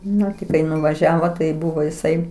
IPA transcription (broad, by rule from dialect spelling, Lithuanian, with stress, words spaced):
ˈnʊ tʲɪ ˈkɐɪ nʊʋɐˈʒʲæːʋoː tɐɪ ˈbʊʋoː ɪˈsɐɪ